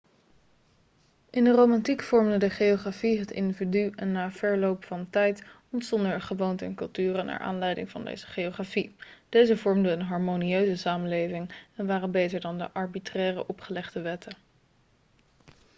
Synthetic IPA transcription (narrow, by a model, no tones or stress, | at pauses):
ʔɪndərowmɑntikfɔɹmdədəχejoχrafiɦətɪ̰ndividyɛnːaːv̥ɛɹlowpfɑntɛjt | ɔntsɔndəɹχəʋowntəɛ̰nkɵlˠtyːrəna̰ːɹʔa̰ːnlɛjdɪ̰ŋvɑ̰ndḛjzə̥χejoχrafid̥ejzəvɔɹmdəːnɦɑɹmoniøɥzəsaːməlejvɪŋɛnʋaːrənbejtəɹdɑndə̰ʔɑɹbitrɛːrə̰ʔɔpχəlɛχdəʋɛtə